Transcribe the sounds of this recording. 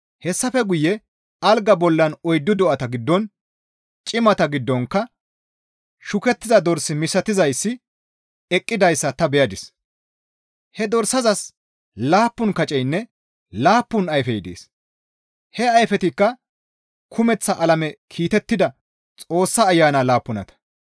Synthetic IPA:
hɛsːɐfɛɡʊjːɛ | ɐlɡɐbɔlːɐnɔjd̪ːʊd̪ɔʔɐt̪ɐɡɪd̪ːɔn | t͡ʃʼɪmɐt̪ɐɡɪd̪ːɔŋkːɐ | ʃʊkɛt̪ːɪzɐd̪ɔɾsːɪmɪsɐt̪ɪzɐjsːɪ | ɛkʼːɪd̪ɐjsːɐt̪ɐbɛjɐd̪ɪs | hɛd̪ɔɾsːɐzɐs | laːpːʊnkɐt͡ʃʼɛjnːɛ | laːpːʊnɐjfɛjd̪ḛːs | hɛɐjfɛt̪ɪkːɐ | kʰʊmɛt͡sːɐʔɐlɐmɛkʰiːt̪ɛt̪ːɪd̪ɐ | t͡sʼo̞ːsːaːjːaːnaːlaːpːʊnɐ̰t̪ɐ̥

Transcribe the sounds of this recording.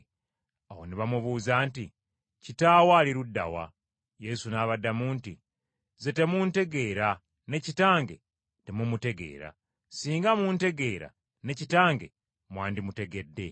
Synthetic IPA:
aho̞̰niβamuβuːzaːnti | citaːwaːliɾudːa̰wa̰ | je̞sunaːβadːamuːnti | ze̞te̞munte̞ɡe̞ːɾa | ne̞citaːŋɡe̞̰ | temumute̞ɡe̞̰ːɾa̰ | siːŋɡamuːnte̞ɡe̞ːɾa̰ | ne̞citaːŋɡe̞̰ | mwaːndimute̞ɡe̞dːe̞

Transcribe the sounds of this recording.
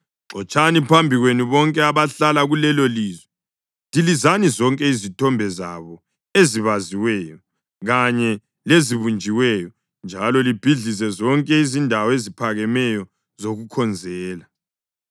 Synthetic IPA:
ǁɔt͡ʃʼanipʰambʱiɣweniβɔŋkʼɛaβaɬalaɣulɛloliːzwɛ | tilizanizɔŋkʼɛizitʰɔmbʱɛza̰βɔ | eziβaziwɛːjɔ | ɣaɲɛ | leziβund͡ʒʱiwɛjɔ | nd͡ʒʱalɔlib̥ʱiɮis̬ɛzɔŋkʼɛizindʱawɔezipʰaɣɛmɛjɔ | zoɣukʰɔnd͡zʱɛːla

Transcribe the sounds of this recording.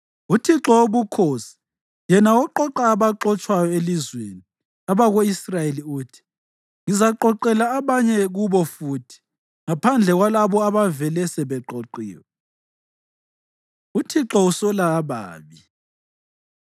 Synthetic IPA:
utʰiǁɔoβukʰosi̥ | jɛnaɔǃɔǁaːβaǁɔt͡ʃʼwajɔelizweni | aβaɣoisrajeliuːtʰi̥ | ŋizaǃɔǃɛlaːβaɲɛɣuβɔfuːtʰi̥ | ŋapʰand͡ɮʱɛɣwalaβɔaβavɛlɛsɛβɛǃoǃiːwɛ | utʰiǁɔusɔlaːβa̰ːβi

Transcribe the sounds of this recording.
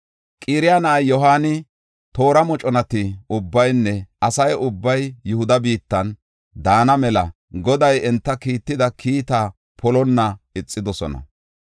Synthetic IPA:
kʼiːɾɪjanɐʔajjɔɦaːnɪ | t̪o̞ːɾɐmɔt͡ʃʼɔnɐt̪ɪʊbːɐjnːɛɐsɐjʊbːɐjːʊhʊd̪ɐbiːt̪ːɐn | d̪aːnɐmɛlɐ̰ | ɡɔd̪ɐjɛnt̪ːɐkiːt̪ːɪd̪ɐkʰiːt̪a | pʰɔlɔnːɐɪt͡sʼːɪd̪ɔsɔ̰nɐ̰

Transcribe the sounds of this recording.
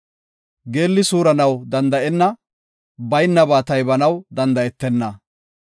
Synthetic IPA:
ɡe̞ːlːɪsuːɾɐnɐwd̪ɐnd̪ɐʔɛnːɐ | bɐjnːɐbaːt̪ɐjbɐnɐwd̪ɐnd̪ɐʔɛt̪ːɛnːɐ

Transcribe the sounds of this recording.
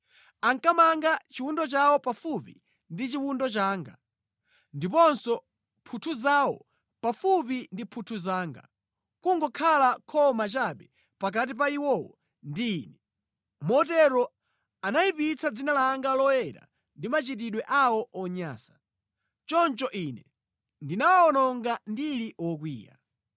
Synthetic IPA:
aŋkamaŋɡat͡ʃiwundɔt͡ʃawɔpafupḭ | ndit͡ʃiwundɔt͡ʃaːŋɡa̰ | ndipɔnsɔ | pʰutʰuzawɔ | pafupindipʰutʰuzaːŋɡa̰ | kuŋɡɔkʰalakʰɔmat͡ʃaɓɛ | pak̬at̬ip̬aiwɔwɔ̰ | ndiːnɛ | mɔtɛɾɔ | anaipit͡sʰad͡zinalaŋɡalɔjɛɾa̰ | ndimat͡ʃit̬iɗwɛʔawɔʔɔɲa̰ːsḁ | t͡ʃɔnt͡ʃɔʔinɛ | ndinawaɔnɔŋɡandiliʔɔk̬wḭːja̰

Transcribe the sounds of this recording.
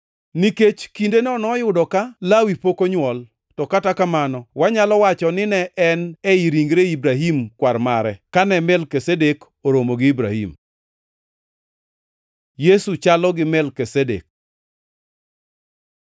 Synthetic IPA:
niket͡ʃkindenɛɔnɔjʊdɔkalawipokoɲwɔl | tɔkatakamanɔwaɲalɔwat͡ʃɔnɪnɛʔɛnɛiɾiŋɡɾeibɾaɦimkwarmaɾɛkanɛmɛlkesedek | oɾomoɡɪibɾahḭm | jesut͡ʃalɔɡɪmɛlkesedḛk̚

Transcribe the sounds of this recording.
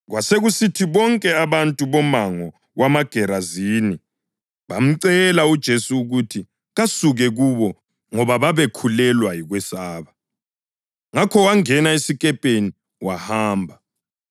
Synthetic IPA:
ɣwaseɣusitʰiβɔŋkʼɛaβantʼuβɔmaŋɔ | ɣwamaɡ̥ʱɛɾaziːni | βam̩ǀɛlaud̥ʒ̥ʱesuːɣutʰi | ɣasuɣɛɣuβɔ | ŋɔβaβaβekʰulɛlwajiɣwɛsaːβa | ŋakʰɔwaŋɛnaesikʼɛpʼeni | wahaːmbʱa

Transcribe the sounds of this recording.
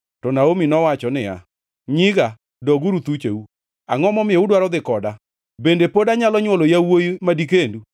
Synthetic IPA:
tɔnaominɔwat͡ʃɔnɪja̰ | ɲɪɡa | dɔɡuɾut̪ut͡ʃeu | aŋɔmɔmɪeudwaɾɔd̪ɪkɔda | bendepodaɲalɔɲwɔlojawojimadik̬endu

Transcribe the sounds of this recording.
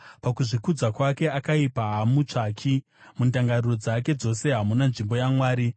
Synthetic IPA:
pakuʐikud͡zakwake̞akaipaɦamut͡ʂaːkʰi | mundaŋɡaruro̞d͡zake̞d͡zo̞se̞ɦamunanʐimbo̞jamwaːɾi

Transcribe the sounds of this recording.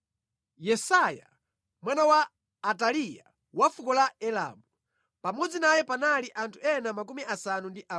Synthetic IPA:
jɛsaja | mwanawaː | talija̰ | wafukɔlaɛla̰mu | pamɔd͡zinajɛpanaliʔantʰuɛnamak̬umiʔasanundiʔa

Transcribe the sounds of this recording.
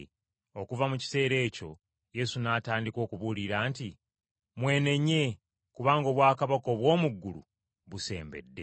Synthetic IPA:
o̞kuvamuci̥se̞ːɾe̞ːco̞̰ | je̞sunaːtaːndiko̞ːkuβuliɾaːnti | mwe̞ːne̞ɲːe̞ | kuβaːŋɡo̞ːβwaːkaβako̞ːβwo̞ːmuɡːulṵ | βuse̞̰ːmbe̞̰dːe̞

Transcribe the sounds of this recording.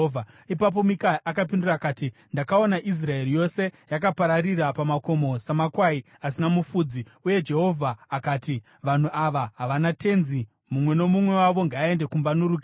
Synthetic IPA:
a | ipap̬o̞mikaʔakap̬indurakaːtindakao̞naʔis̬rae̞ɾijo̞se̞jakapaɾaɾirapamako̞mo̞samakwai | asinamufuːd͡zi | uje̞d͡ʒe̞ɦo̞vʱaːkaːti | ʋan̤uʔaʋaɦaʋanate̞nzi | mumwe̞no̞mumwe̞waʋo̞ŋɡaːe̞nde̞kumbanuɾuːke

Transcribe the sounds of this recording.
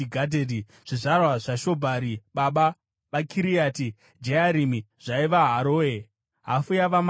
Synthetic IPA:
iɡʱadʱedi | ʐ̥iʐarwaʐaʃo̞bʱaɾiɓaɓa | ʋakʰiɾijati | d͡ʒeaɾimi | ʐ̥aiʋaɦaɾoːe | ɦafujaʋam

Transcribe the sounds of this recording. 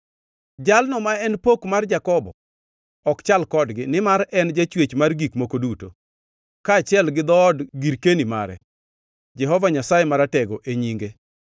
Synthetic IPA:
d͡ʒalnɔmaɛnpokmard͡ʒakɔbɔ̰ | ɔkt͡ʃalkɔdɡɪnɪmaɾɛnd͡ʒat͡ʃwet͡ʃmarɡikmokoduto | kaːt͡ʃɪɛlɡɪd̪ɔːdɡiɾkenima̰ɾɛ̰ | d͡ʒɛɦɔvaɲasajemaɾatɛɡɔʔeɲiŋɡe

